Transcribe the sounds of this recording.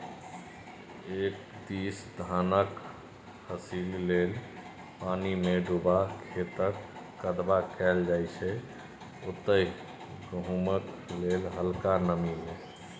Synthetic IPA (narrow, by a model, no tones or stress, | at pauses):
ek | d̪isd̪ʱanək | həsilːel | panimeɖubakʰet̪əkː | əd̪bakɛld͡ʒajt͡ʃʰɛ | ot̪ːəj | ɡəɦumək | lelɦəlkanəmime